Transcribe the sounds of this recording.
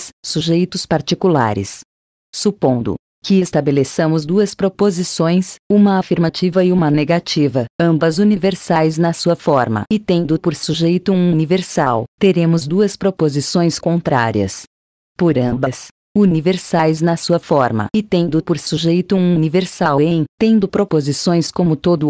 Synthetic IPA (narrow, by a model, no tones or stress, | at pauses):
ssuʒejt̪ʊspaɾt͡ʃikula̰ɾɪ̰s | supõnd̪ʊ̰ | kɪest̪abelesɐ̃mʊzd̪uɐspɾopozisõj̃sũmɐafiɾmat͡ʃivɐɪũmɐneɡat͡ʃivɐɐ̃bɐzuniveɾsajznɐsuɐfɔɾmɐ̰ɪt̪ẽd̪ʊpoɾsuʒejt̪ʊ̃univeɾsawt̪eɾẽmʊzd̪uɐspɾopozisõj̃skõnt̪ɾa̰ɾiɐ̰s | poɾɐ̃bɐs | univeɾsajznɐsuɐfɔɾmɐ̰ɪt̪ẽd̪ʊpoɾsuʒejt̪ʊũuniveɾsawẽj̃t̪ẽnd̪ʊpɾopozisõj̃skõmʊt̪od̪ʊ